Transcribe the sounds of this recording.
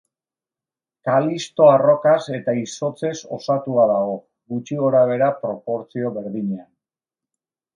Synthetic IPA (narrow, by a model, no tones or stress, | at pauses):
kalist̪o̞aro̞kase̞t̪aiso̞t͡se̞so̞̰sat̪uaðaɣo̞ | ɣut͡ʃiɣo̞ɾaβ̞e̞ɾapɾo̞po̞ɾt͡sio̞βe̞ɾðiɲean